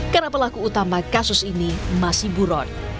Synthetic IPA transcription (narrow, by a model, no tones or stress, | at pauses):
kənapəlakuːt̪amakasʊsinimasihbuɾɔt̪̚